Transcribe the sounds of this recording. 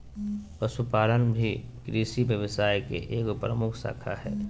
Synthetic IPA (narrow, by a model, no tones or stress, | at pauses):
pəsupaːlənbʱikɾiːsiʋjəʋɪsaːjkḛʔeːkpɾəmʊkʰsa̰ːkʰa̰ɦɛː